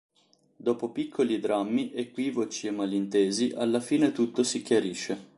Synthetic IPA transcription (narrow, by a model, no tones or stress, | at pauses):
d̪oːpopikʰːolid̪ɾamːiʔekwiːvot͡ʃiemːalint̪eːziʔalːafiːnet̪ut̪ːosikjaɾiːʃːe